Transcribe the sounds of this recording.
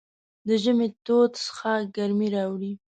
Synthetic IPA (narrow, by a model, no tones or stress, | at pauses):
d̪əʒəmet̪od̪sə̥xaɡaɾmiɾɑwɽi